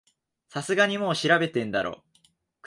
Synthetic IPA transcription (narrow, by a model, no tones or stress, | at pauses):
sasɨɡaɲ̟imo̞ːɕiɾabe̞t̪ẽ̞nd̪aɾʔo̰ː | k